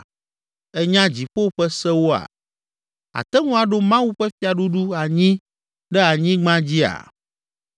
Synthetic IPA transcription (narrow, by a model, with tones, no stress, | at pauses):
ɛ˦ɲã˦d͡ʑi˨ɸo˦ɸɛ˦sɛ˦wo˦a̰˨ | a̰˨t̪ɛ˦ŋũ˦a˨ɖo˦mã˦wu˦ɸɛ˦fi˦a˨ɖu˦ɖu˦a˨ɲĩ˦ | ɖɛ˦a˨ɲĩ˦ɡ͡bã˦d͡ʑi˦a̰˨